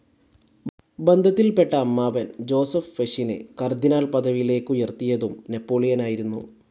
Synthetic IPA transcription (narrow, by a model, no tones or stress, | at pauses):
bend̪ʱɐt̪ːilpe̞ʈːɐːmːaːʋɐnd͡ʑo̞ːsɐfʋeʂinɨ̰kɐrd̪inaːɭpɐd̪ɐʋile̞ːkːɨjert̪ːijɐðumne̞pːo̞ːɭijɐnaːjiɾunːu